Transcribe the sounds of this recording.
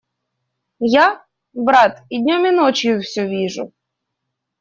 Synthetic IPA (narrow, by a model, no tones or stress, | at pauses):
ja | bɾat̪id̪ʲnʲɔmʲɪnɔt͡ɕjʊfsʲɔʋʲiʐʊ̰